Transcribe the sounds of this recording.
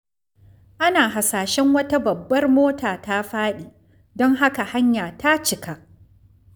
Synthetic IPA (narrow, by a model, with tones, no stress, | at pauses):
ʔa˦naː˨ɦa˨saː˨ʃɛ˦ŋwɐ˦ta˦bɐ˨bːɐ˦rmoː˦taː˨ta˦ɸaː˦ɗiː˨ | dɔ˦ŋɦa˦ka˨ha˦ɲjaː˨ta˦t͡ʃɪ˨ka˨ʔ